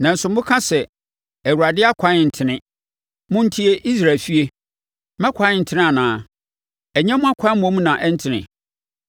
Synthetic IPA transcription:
nã˨n̩˨sʊ̃˨mʊ̃˦kʰã˦sɛ˨ | æ˨wu˨ɾa˨dɪ˦a˦kʷʰã˨˦ɪ˨n̩˨tʰɪ˨nɪ̃˦ | mʊ̃˦n̩˦tʰi˦e˦ʔi˦s̬ɾa˨lfi˦e˦ | mã˦kʷʰã˦ɪ˦n̩˨tʰɪ˦nɪ̃˦a˨nãː˨˦˨ | ɛ˨ɲɛ̃˦mʊ̃˦a˦kʷʰã˦mɔ̃˦m˦nã˨ʔɛ˦n̩˦tʰɪ˨nɪ̰̃˨

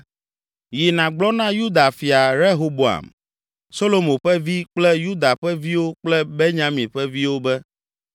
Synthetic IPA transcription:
ji˨nã˨ɡ͡blɔ˦nã˦ju˦d̪a˨fi˨a˨ɾe˦ɦo˦bo˨a̰˨m | so˦lo˨mõ˨ɸɛ˦vi˦k͡plɛ˦ju˦d̪a˨ɸɛ˦vi˦wo˦k͡plɛ˦be˦ɲã˦mĩ˨ɸɛ˦vi˦wo˦bɛ˦

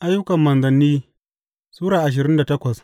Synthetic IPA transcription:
ʔa˦jːʊ˦kɐ˨mːɐ˨nzɐ˨nːiː˦ | suː˦ɽaː˨ʔa˨ʃ̬ɪ˨ɾɪ˦nda˨tɐ˦kʷɐ˨s

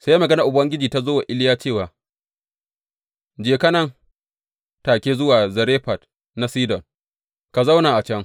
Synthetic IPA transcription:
se˦ja˦mɐ˨ɡɐ˦na˨ʔʊ˨bɐ˦ŋɡʲɪ˦d͡ʒiː˨ta˦zoː˦wa˨ʔɪ˦lɪ˦jaː˦t͡ʃeː˦˨waː˨ | d͡ʒeː˨kɐ˦nɐ˦ŋ | taː˨kʲeː˦zʊ˦waː˨zɐ˨ɾeː˦ɸa˨t | na˦siː˦dɔ˨ŋ | ka˨za˦wnaː˨ʔa˨t͡ʃɛ˦ŋ

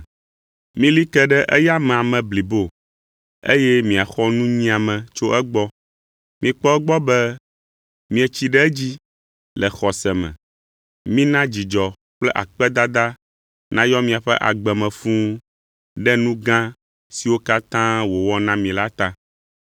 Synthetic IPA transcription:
mĩ˦li˦kɛ˦ɖɛ˦ʔɛ˦ja˦mɛ̃˨a˨mɛ̃˨bli˨bo˦˨ | ḛ˦jɛ˦mĩ˨a˨xɔ˦nũ˦ɲĩ˦a˨mɛ̃˨t͡ʃo˦ʔɛ˦ɡ͡bɔ˦ | mĩ˨k͡pɔ˦ɛ˦ɡ͡bɔ˦bɛ˦ | mĩ˨ɛ˨t͡ɕi˦ɖɛ˦ɛ˦d͡ʑi˦ | lɛ˨xɔ˨sɛ˨mɛ̰̃˨ | mĩ˦nã˦d͡ʑi˨d͡ʒɔ˨ | k͡plɛ˦ʔa̰˨k͡pɛ˦d̪a˦d̪a˦ | nã˦jɔ˦mĩ˨a˨ɸɛ˦ʔa̰˨ɡ͡bɛ˨mɛ̃˨fũ˦ | ɖɛ˦nũ˦ɡã˦ | si˨wo˦ka˦t̪ã˦wo˨wɔ˦nã˦mĩ˨la˦t̪ã˦

